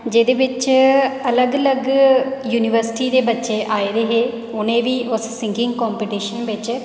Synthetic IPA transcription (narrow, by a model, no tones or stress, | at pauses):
d͡ʒeːd̪eːʋɪt͡ʃələɡələɡjuːnɪʋəɾsɪ̥ʈiːd̪eːbətːʃeːʔaːeɾeɦeː | ʊnẽːʋiːʔʊssɪ̃ŋɡɪ̃ŋɡkɔːmpiʈiːʃənʋɪt͡ʃ